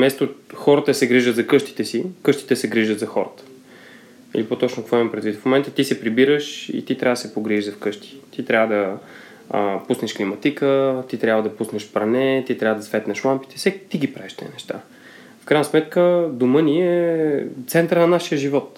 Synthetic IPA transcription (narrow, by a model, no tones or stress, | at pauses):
mɛst̪oxɔɾət̪əsɛɡɾiʒət̪zɐkɤʃt̪i̥t̪ɛsikɤʃt̪i̥t̪ɛsɛɡɾiʒət̪zɐxɔɾət̪ə̥ | ḭlipot̪ɔt͡ʃnokɐkvɔimɐpɾɛd̪vit̪fmomɛnt̪ət̪isɛpɾibiɾəʃḭt̪it̪ɾʲavəd̪əsɛpoɡɾiiʒzɐfkɤʃt̪i̥t̪it̪ɾʲavəd̪ɐ | əpusnɛʃklimɐt̪ikət̪it̪ɾʲabvəd̪ɐpusnɛʃpɾɐnɛt̪it̪ɾʲavəd̪ɐsvɛt̪nɛʃlˠampi̥t̪ɛ̥sɛt̪iɡipɾaɛʃt̪ɛ̰nɛʃt̪a̰ | fkɾaɪjnəsmɛt̪kəd̪oməniɛɛt̪sɛnt̪əɾnɐnaʃiəʒivɔt̪